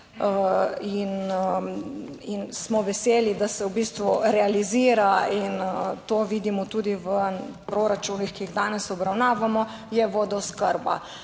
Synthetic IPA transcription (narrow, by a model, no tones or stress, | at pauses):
in | insmɔʋɛseːlid̪asɛwbiːst̪ʋuɾɛaliziːɾaint̪oːʋiːd̪imɔt̪uːd̪iʋəpɾoɾat͡ʃuːnixkiiɣd̪aːnɛsɔbɾawnaːʋamɔ | jɛʋoːd̪ɔskəɾba̰